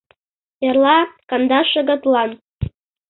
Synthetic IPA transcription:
jarlˠakʼand̪aʂaɡatʼlan

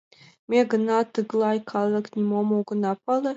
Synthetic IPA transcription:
meɡənat̪ɨɡlˠajkʰalaknʲimomoɡnapale

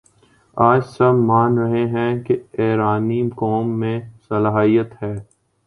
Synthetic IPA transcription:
aːd͡ʒsɐbmaːnɾɐɦeɦɛ̃keeːɾaːnikɔːmːẽsɐlaːɦijət̪ɦɛː

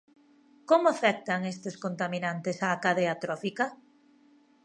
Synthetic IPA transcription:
komoafɛk̚t̪aŋest̪eskont̪aminant̪esaːkaðeat̪ɾɔfika

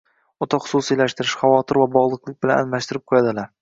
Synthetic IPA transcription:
ɒt̪ʰɒχʊ̥susijlaʃt̪ɪɾɪʃχavɒt̪ʰɪɾvabɒʁlˠɨqlˠɪk̚ʲbɪlananmaʃt̪ɪɾɪp̚qʰojad̪ɪlaɾ

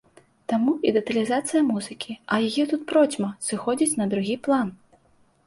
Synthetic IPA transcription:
t̪amuid̪ɛt̪ɐlʲizat̪sɨjɐmuzɨkʲiɐjajɛt̪ut̪̚pɾɔt͡sʲmɐsɨxɔd͡zʲit͡sʲnɐd̪ɾuɣʲiplˠan

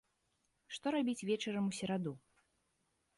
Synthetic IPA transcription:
ʂt̪ɔɾabʲit͡sʲvʲɛt͡ʃɛɾɐmusʲɛɾad̪u

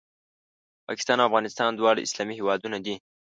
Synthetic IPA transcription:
pɑ̰kɪ̥st̪ɑnawafɣɑnɪst̪ɑnd̪wɑɽaɪ̰slɑmihewɑd̪unad̪i

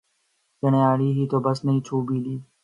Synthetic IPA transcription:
d͡ʒənẽːaːɽiːɦiːt̪oːbəsnəɦĩːt͡ʃʰuːbiːliː

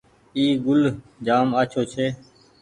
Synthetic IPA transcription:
iːɡʊld͡ʒaːmaːt͡ʃʰoːt͡ʃʰeː

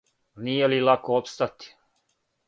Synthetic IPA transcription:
nijelilakoopst̪at̪i̥

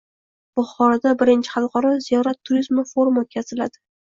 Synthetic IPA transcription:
b̥ʊχɒɾad̪abɪɾɪnt͡ʃʰɪ̥χɑlˠqɒɾɒzijɒɾat̪ʰːʊɾizmɪfo̞ɾmot̪̚kʲʰazɪlad̪ɪ

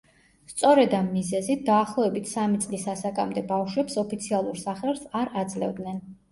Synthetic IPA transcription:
st̪sʼɔɾɛd̪amːizɛzit̪̚ʰd̪aːχlˠɔɛbit̪ʰsamit̪sʼlisasakʼamd̪ɛbafʃwɛpsɔpʰit̪sʰialˠuɾsaχɛlˠsaɾad̪zlɛ̰vd̪nɛn

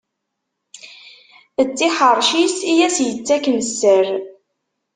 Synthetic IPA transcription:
ət͡sːiħəɾˤʃisijæsjət͡sːækənəsːəɾ

